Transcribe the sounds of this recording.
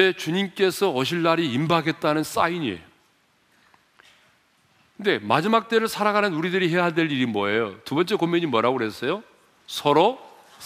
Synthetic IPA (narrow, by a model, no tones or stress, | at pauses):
e̞t͡ɕuɲimk͈e̞sʰʌʌɕ̬ʰiɭːaɾiimbaɡe̞t̚t͈anɯns͈aiɲie̞̰jo | kɯnde̞mad͡ʑimak̚t͈e̞ɾɯɭsʰaɾaɡanɯnuɾidɯɾiɦe̞jɦadwe̞ʎiɾimwʌejotubʌnt͡ɕ͈e̞komːeɲimwʌɾaɡoɾɦes͈ʌjo | sʰʌɾo